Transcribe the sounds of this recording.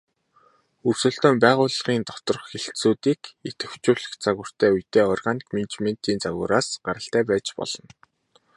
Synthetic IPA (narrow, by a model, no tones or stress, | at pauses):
ɵrsɵ̆ɬt̪oːmpæːʁʊːɮʁ̥iːnt̪ɔ̥t̪ɞ̆rχxeɬtsuːt̪iːket̪ɡɘ̆wt͡ɕuːɮɘ̆xt͡saɣʊ̆r̥t̪ʰæːujt̪eːɔrʁaːnikment͡ɕmen̥t̪iːnt͡saɣʊ̰ːɾaːsɢaɾə̆ɬt̪æːpæːt͡ɕpɔ̰ɮɞ̆n